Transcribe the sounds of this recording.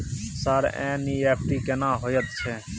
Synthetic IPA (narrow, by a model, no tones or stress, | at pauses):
saːɾɛ̰̃ːniːɛːp̚ʈiːkeːnãːɦoːjət̪t͡ʃʰeː